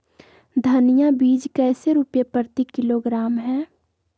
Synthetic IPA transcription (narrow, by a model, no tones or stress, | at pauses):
d̪ʱɐnɪjabiːd͡ʒkɛːseɾʊpjepəɾt̪ikɪloɡɾaːmɦɛ̃ː